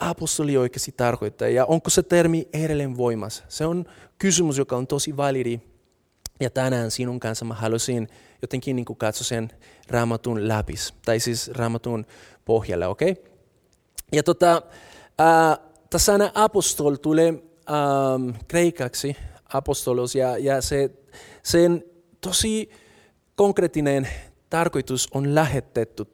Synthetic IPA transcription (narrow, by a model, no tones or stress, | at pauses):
ɑpost̪oliojkest̪it̪ːɑrkoit̪ːɑ̰jɑʔoŋkoset̪ermieɾelenʋoimɑsseonkysymysjokɑont̪osiʋɑliɾi | jɑt̪ænæːnsinuŋkɑnsɑmaɦɑlusin | jot̪ːeŋkinːiːŋkukɑt̪sosenrɑːmɑt̪unlæpḭst̪ɑisisrɑːmɑt̪un | pohjɑ̰lːḛokej | jɑt̪ot̪ɑ | aː | t̪asːɑnaʔɑpost̪olt̪ule | amkrejkɑksiɑpost̪olosjɑjɑse | sen | t̪osi | koŋkret̪ːinent̪ɑrkojt̪usonlæɦet̪ːet̪ːu